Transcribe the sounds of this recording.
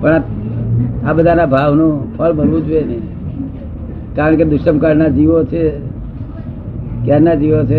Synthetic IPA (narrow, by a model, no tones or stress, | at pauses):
pəɳa | abəd̪ʱanabʱaʋnõpʰəlbʱəɾʋũd͡ʒuene | kaɾəɳked̪ʊʃəmkaɾnad͡ʒiʋot͡ʃʰe | kjaɾnad͡ʒiʋot͡ʃʰe